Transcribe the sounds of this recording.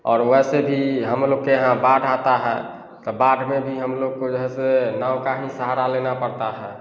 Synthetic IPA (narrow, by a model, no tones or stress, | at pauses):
ɔːɾʋɛːsebʱiɦəmloːɡ̚kejəɦãbaʈʰat̪aɦɛ | t̪ɔbaɖʰʱmẽbʱiɦəmloɡ̚kod͡ʒəɦɛsenaːʊwkaɦnisəɦaɾalenapəɾt̪aɦɛː